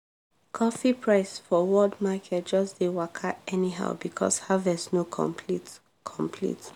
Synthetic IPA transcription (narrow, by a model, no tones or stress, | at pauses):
kʰɔfipʰɹaɪsfɔwɔldmakʰɛt̚d͡ʒʌsd̥ewakʰaɛniɦa̰ʊbikʰɔ̰shavɛsnokʰɔ̰̃mpʰlit | kʰɔ̃mpʰlḭt